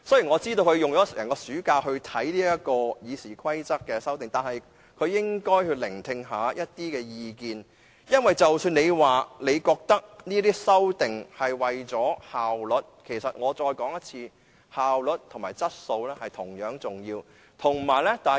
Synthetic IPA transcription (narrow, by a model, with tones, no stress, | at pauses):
sɔː˥jiː˨˩nŋɔ˨˧t͡siː˥t̪o˧wkʰɵ˨˧ɥjʊ˨ŋjɔː˨˥sɛ˨˩jɐ˨˩ŋkɔː˧syː˨˥kaː˧wɦɵ˧ɥt̪ʰɐ˨˥jliː˥jɐ˥kɔː˧jiː˨˧siː˨˩kʰɐ˥jt͡sɐ˥k̚kːɛː˧sɐ˥wt̪̬ɪ˨ŋt̪aː˨nhɐ˨j | kʰɵ˨˧ɥjɪ˥ŋkɔː˥jhɵ˧lɪ˨˩ŋt̪ʰɪ˧ŋɦaː˨˥jʔɐ˥t̚t̪iː˥kɛː˧jiː˨˧kiː˨n | jɐ˥nwɐ˨jt͡sɐ˨wsyː˧ne˨˧jwaː˨ne˨˧jkɔː˧k̚t̪ɐ˥k̚niː˥t̪iː˥sɐ˥wt̪ɪ˨ŋhɐ˨jwɐ˨jt͡sɔː˨˥haː˨wlɵ˨t̚kʰe˨˩sɐ˨t̚ŋɔː˨˧t͡sɔː˧jkɔː˨˥ŋjɐ˥t̚t͡sʰiː˧ | haː˨wlɵ˨t̚t̪ʰʊ˨˩maː˨˩jt͡sɐ˥t̚so˧wlɛː˥hɐ˨jt̪ʰʊ˨˩ŋjœː˨˥ŋt͡sʊ˨ŋjiː˧w | t̪ʰʊ˨˩ŋmaː˨˩jlɛ˥t̪aː˨˩